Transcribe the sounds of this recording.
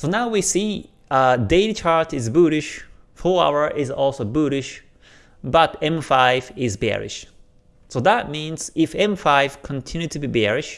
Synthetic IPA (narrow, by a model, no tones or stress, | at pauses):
sonaʊwisi | deɪlit͡ʃʰaɹtɪzbuɾɪʃ | fɔa̰ʊə˞ʔɪzɔlˠsoʊbuɾɪʃ | bʌɾɛ̃mfaɪvɪzbɛ̰ɹɪ̰ʃ | soʊðət̚mĩnz̥ɪfɛ̃mfaɪv̥kʰə̃ntʰɪ̃njʉtʰɨbibɛɹɪʃ